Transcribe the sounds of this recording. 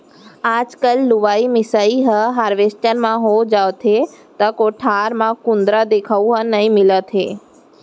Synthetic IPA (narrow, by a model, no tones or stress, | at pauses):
aːd͡ʒkəlːʊʋaːimɪsaːiɦəɦaːɾʋesʈənmãɦod͡ʒaːʋt̪ʰet̪ɐkoːʈʰaːɾmãkʊ̃nd̪ɾad̪eːkʰauɦənəĩmɪlət̪ʰḛː